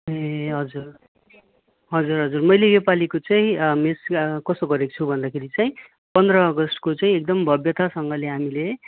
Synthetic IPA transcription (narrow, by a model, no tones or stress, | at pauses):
eɦʌd͡zur | ɦʌd͡zurɦʌd͡zurmʌjlejepalikot͡saĩmeskʌsoɡʌɾekt͡sʰubʱʌnd̪akʰeɾit͡saĩ | pʌnd̪rʌːɡʌst̪kot͡saĩek̚d̪ʌmbʱʌbjʌt̪asʌŋɡʌleɦamile